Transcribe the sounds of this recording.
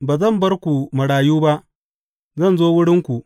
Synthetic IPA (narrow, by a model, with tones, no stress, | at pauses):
baː˨zɐ˦˨mbɐ˦rkʷu˨mɐ˨ɽaː˨juː˦ba˦ʔ | zɐ˦nzoː˦wʊ˦ɽɪ˦ŋkʷu˨ʔ